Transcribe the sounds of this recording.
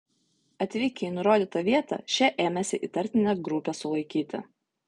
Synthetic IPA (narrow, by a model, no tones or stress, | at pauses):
ɐt̪ʲʋʲiːkʲɛɪnʊɾoːd̪ʲiːt̪ɐʋʲiɛt̪ɐ̰ʃʲɛʔeːmʲɛsʲɪʔit̪ɐɾʲt̪ʲɪnʲɛɡɾʊpʲesʊlˠɐɪkʲiːt̪ʲɪ̰